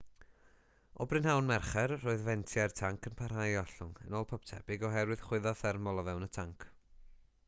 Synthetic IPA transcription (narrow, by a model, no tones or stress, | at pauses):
ɔ̰brɨnɦawnmɛrχɛrːoːɨðvɛntʰjartʰaŋkʰənpʰar̥ɦajɔɬʊŋə̰nɔːlˠpʰɔp̚tʰɛ̰b̥ɪɡɔɦɛɾwɨð̥χwɪðɔθɛrmɔlˠɔvɛwnətʰaŋkʰ